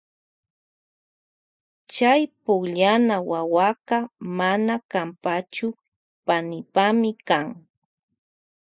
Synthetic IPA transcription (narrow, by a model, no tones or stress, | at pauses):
t͡ʃajpʊkʎanawawaqɑmanakampat͡ʃʊ | panɪpamɪkaŋ